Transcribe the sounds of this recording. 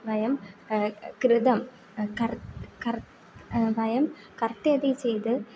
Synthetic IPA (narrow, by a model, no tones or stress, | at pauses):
bɐjɐm | kɾɪd̪ɐm | kɐɾkɐɾ | bʱɐjɐm | kɐrt̪eːd̪it͡ɕejd̪ɨ